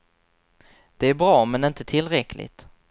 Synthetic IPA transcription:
d̪̥ɛæɾbɾɑːmɛnɪnt̪ət̪ʰɪlɾɛklɪ̰t̪

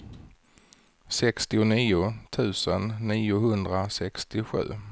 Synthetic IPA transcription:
sɛkst̪ɪʊniːʊt̪ʰʉ̟ːsənːiːʊɦɵnd̪ɾasɛkst̪ɪɧʉ̟̰ː

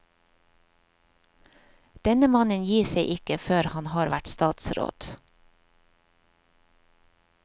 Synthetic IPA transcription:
d̪̥ɛnəmɑnənjiːseɪʔɪkəføːɾhɑnhɑːɾʋæʈst̪ɑːt̪sɾo̰ːd̪̥

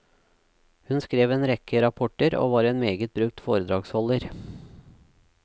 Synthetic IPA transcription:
hʉnskɾeːʋeːnɾɛkʰəɾɑpʰɔʈəɾo̰ːʋɑːɾeːnmeːɡət̪̚bɾʉk̚t̪foːɾəd̪ɾɑːɡshɔləɾ

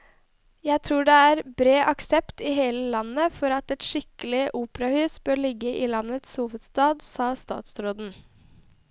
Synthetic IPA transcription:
jæɪt̪ʰɾuːɖɛæɾbɾeːʔɑksɛpt̪ɪɦeːləlɑnːəfɔɾɑt̪ɛt̪ʃɪkəlɪʔuːpəɾɑhʉːsbøːɾɭɪɡːəʔɪlɑnːət̪shuːʋəd̪st̪ɑːd̪sɑːst̪ɑ̰ːt̪sɾoːd̪n̩

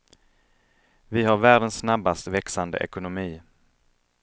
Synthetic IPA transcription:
vɪɦaɾvæːɖənsːnabːast̪vɛksand̪ə̰ʔɛ̰kʊnʊmiː

